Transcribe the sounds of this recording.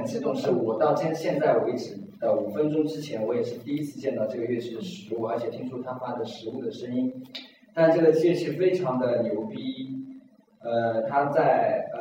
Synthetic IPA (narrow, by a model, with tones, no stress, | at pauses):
ə˨˩nt͡ɕ̩˥˩t̪ʰʊ˨˥ŋʂɻ̩˥˩wɔ˨˩t̪ɑ˥˧ʊt͡ɕɛ˥˧nɕjɛ˥˧nt͡sa˥˩ɪwe˧˥ɪʈ͡ʂɻ̩˨˩ | d̪ə˧˩u˨˩fə˥nʈ͡ʂʊ˥ŋʈ͡ʂɻ̩˥t͡ɕʰjɛ˧˥nwɔ˧˥jɛ˨˩ʂɻ̩˥˧t̪i˥˧i˥t͡sʰɹ̩˥˧t͡ɕjɛ˥˧nt̪ɑ˥˧ʊʈ͡ʂɤ˥˩ɡə˩ɥɛ˥˩t͡ɕi˥˩d̪ə˩ʂɻ̩˧˥u˥˩ə˞˧˥t͡ɕʰjɛ˨˩t̪ʰi˥ŋʈ͡ʂʰu˥t̪ʰa˥fa˥d̪ə˨ʂɻ̩˧˥u˥˩d̪ə˩ʂə˥ni˥n | t̪a˥˧nʈ͡ʂɤ˥˩ɡə˩t͡ɕɛ˥˩t͡ɕʰi˥ɻ̩˥˧˩fe˥ɪʈ͡ʂʰɑ˧˥ŋd̪ə˧njo˧˥ʊpi˥ | ə˧t̪ʰa˥t͡sa˥˩ɪ